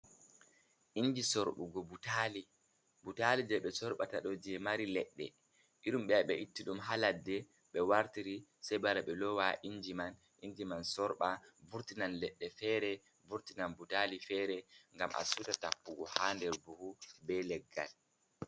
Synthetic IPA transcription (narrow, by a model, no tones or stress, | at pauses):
ʔiɲd͡ʒisɔɾɓṵɡɔbutaːli | butalid͡ʒɛɓɛsɔɾɓataɗɔd͡ʒɛmaɾilɛɗːɛ̰ | iɗumɓɛaɓɛʔitːiɗumɦaladːɛ | ɓɛwaɾtiɾisɛjbaɾaɓɛlɔwaʔiɲd͡ʒiman | ʔiɲd͡ʒimansɔɾɓavuɾtinanlɛɗːɛfɛːɾɛ | vuɾtinanbutalifɛɾɛŋɡamʔa̰sutatapːuɡɔhandɛɾbuhubɛlɛɡːa̰l